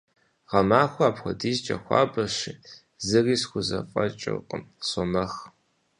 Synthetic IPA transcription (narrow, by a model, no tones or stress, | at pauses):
ʁɐmaːxʷɔaːpxʷɔdiːzt͡ʃʼɐ̰xʷɑ̰ːbɐɕiː | zɨriːsxʷʊzɐfʼɐt͡ʃʼɪ̰qʼə̰msɔmɐx